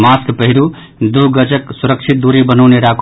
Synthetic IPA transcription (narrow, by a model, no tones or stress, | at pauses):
maskpəɦiɾu | d̪uɡəd͡ʒəksuɾəkt͡ʃʰit̪̚d̪uɾibənəʊneɾakʰ